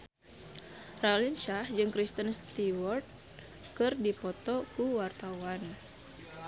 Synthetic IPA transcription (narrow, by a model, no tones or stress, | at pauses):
ralinʃahd͡ʒɨŋkɾist̪ənst̪iwɔrt̪̚ | kɨrdipɔt̪ɔkuwart̪awan